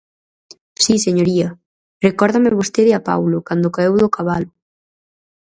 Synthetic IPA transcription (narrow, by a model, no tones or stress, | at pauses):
siseɲoɾiɐ | rekɔɾðɐmɪβ̞ost̪eðɪapa̰wlʊkand̪ʊkaewðʊkaβalʊ